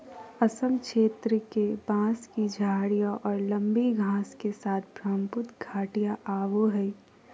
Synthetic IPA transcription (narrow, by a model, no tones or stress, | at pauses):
əsəmkʃeːt̪ɾəkebãːskid͡ʒʱaːɽijaʔɔːɾlə̃mbiɡʱãːskesaːt̪ʰbɾaːmpʊt̪ɡʱaːʈijaʔaːʋoɦɛi